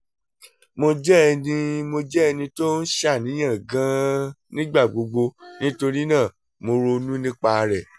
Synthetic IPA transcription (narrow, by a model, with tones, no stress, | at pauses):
mo˧d͡ʒɛ˦ɛ˧nĩ˧mo˧d͡ʒɛ˦ɛ˧nĩ˧to˦n̩˦ʃa˦˨nĩ˨˦j̃ã˦˨ɡã˨˦nĩ˦ɡ͡ba˦˨ɡ͡bo˧ɡ͡bo˧nĩ˦to˧ɾi˦nãː˦˨ | mo˧ɾo˧nũ˦nĩ˦k͡pa˦˧ɾɛ˨